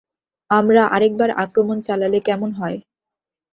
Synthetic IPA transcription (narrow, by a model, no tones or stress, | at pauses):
amɾaʔaɾek̚baɾa̰kɾomont͡ɕalalekɛmonɦɔe